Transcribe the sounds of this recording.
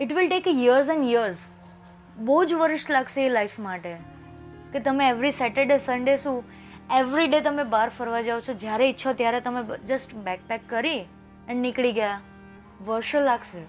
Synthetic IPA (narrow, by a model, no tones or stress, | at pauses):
ɪʈʋɪlʈekjiəɾzɛ̃ɳɖjiəɾz | bəɦud͡ʒʋəɾɪʃʈlaɡseelaifmaʈe | ket̪əmẽeʋɾisɛʈeɖesəɳɖesũ | eʋɾiɖet̪əmebaɾfəɾʋad͡ʒaʋot͡ʃʰod͡ʒjaɾeɪtːʃʰot̪jaɾet̪əmed͡ʒəsʈbɛk̚pɛkːəɾi | ɛnnɪkɭiɡəja | ʋəɾʃolaɡse